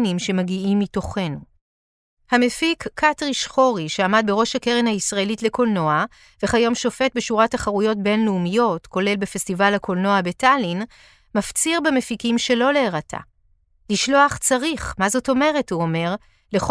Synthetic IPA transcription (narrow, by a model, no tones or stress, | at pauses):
nimʃe̞maɡiʔimːito̞χe̞nu | hamefikʰːatʁiʃχo̞ʁiʃeamad̪̚be̞ʁo̞ʃhakeʁenhaisʁae̞litle̞ko̞lno̞a | ve̞χajo̞mʃo̞fe̞t̚beʃuʁataχaʁujo̞tbe̞nleumijo̞tko̞le̞lbefestivalhakʰo̞lno̞abe̞tʰalin | maft͡siʁbemefikimʃe̞lo̞leːʁatʰa̰ | liʃlo̞aχt͡saʁiχmazo̞to̞me̞ʁe̞thuome̞ʁ | leχ